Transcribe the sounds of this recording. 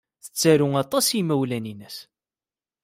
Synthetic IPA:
θə̥t͡sːæɾʊŋɑt̪ˤɑsimæwlæninəs

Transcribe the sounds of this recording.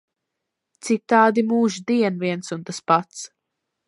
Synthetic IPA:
t̪sit̪aːd̪imuːʒd̪iɛnviɛnsunt̪aspat̪s

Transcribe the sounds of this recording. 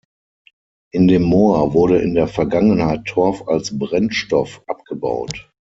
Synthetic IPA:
ʔɪndeːmːoːɐvʊɐɾəʔɪndeːɐfɛɐɡaŋənhaɪtʰːɔɐfa̰lsbʁɛnʃtɔfʔapɡ̥əba̰ʊt

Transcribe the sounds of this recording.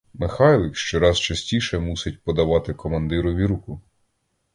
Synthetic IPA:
mɪxɑjlˠɪkʃt͡ʃɔɾɑzt͡ʃɐsʲtʲiʃɛmusɪt̚ʲpɔd̪ɐʋɑt̪ɪkɔmɐnd̪ɪɾʊʋʲiɾukʊ

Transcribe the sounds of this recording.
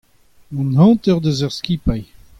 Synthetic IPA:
mũnhɑ̃ːt̪œʁd̪əzœʁskʲipaj

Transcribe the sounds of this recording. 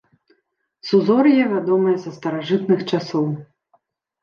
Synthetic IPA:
suzɔrjɛvʲad̪ɔmɨjɐzɐst̪ɐɾaʐɨt̪nɨxt͡ʂasɔw

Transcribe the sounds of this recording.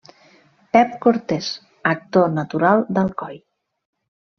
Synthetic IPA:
pɛp̚koɾt̪ɛs | ək̚t̪onət̪uɾalˠd̪əlˠkɔj

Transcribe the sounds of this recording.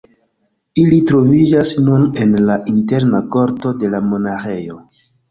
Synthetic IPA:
ilitɾo̞vid͡ʒasnune̞nlaʔinte̞ɾnako̞ɾto̞de̞lamo̞naxe̞jo

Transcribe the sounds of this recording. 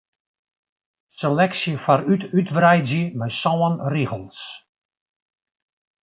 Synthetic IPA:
səlɛksjəfaɾytytvrɛjdzjəmɛjsɔwənriɣəlˠs

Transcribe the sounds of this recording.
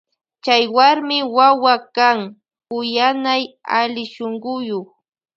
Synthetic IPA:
t͡ʃajwaɾmɪwawakaŋ | ʊjanajalɪʃoŋɢʊjoχ

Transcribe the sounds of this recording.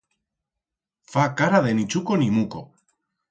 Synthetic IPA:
fakaɾaðenit͡ʃukonimuko̰

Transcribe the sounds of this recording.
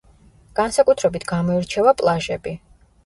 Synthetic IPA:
ɡ̥ansakʼut̪ʰɾɛbit̪ʰɡamɔiɾt͡ʃʰɛvapʼlˠaʒɛbi

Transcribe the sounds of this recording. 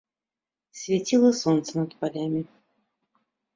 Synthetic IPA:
svʲetʲilˠəsont̪sənɐd̪pɐlʲamʲɪ

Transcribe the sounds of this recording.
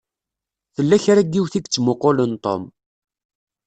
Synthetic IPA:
θəlːæçɾæɡːiwθiɡt͡sːmoqolənt̪ˤo̰m

